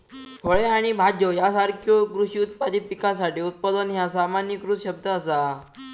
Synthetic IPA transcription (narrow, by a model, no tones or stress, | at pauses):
pʰəɭeaɽ̃ibʱad͡ʑjəjasaɾkʰjokɾuʂiːut̪̚pad̪iːpikãs̬aʈiːut̪̚pəd̪ənɦjasamanjikɾusɕəb̚d̪ʱəːsa